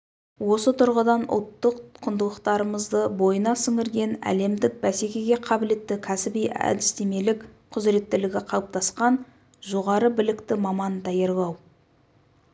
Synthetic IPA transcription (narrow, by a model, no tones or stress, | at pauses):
wo̞sət̪ʰʊɾʁəd̪ɑnʊ̰lˠt̪ːəqqʰʊnd̪əlˠəqt̪ɑɾəməzd̪əbo̞jənɑsɪŋɪɾɡʲe̞næ̰le̞md̪ɪk̚bæsekʲe̞ɡʲe̞qʰɑbɪle̞t̪ːɪkʲʰæsɪbijæ̰d̪ɪst̪e̞me̞lɪkqʰʊzɾe̞t̪ːɪlɪɡʲɪqʰɑlˠəp̚t̪ɑsqɑn | ʒo̞ʁɑɾəbɪlɪkt̪ɪmɑmɑnd̪ɑjɑɾlˠɑw